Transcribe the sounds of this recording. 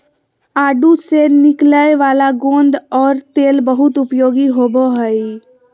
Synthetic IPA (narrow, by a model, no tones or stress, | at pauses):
aːɖusenɪkləeʋaːlaɡõːnd̪ɔːɾt̪eːlbəɦʊt̪ʊpjoːɡiɦoːboɦəi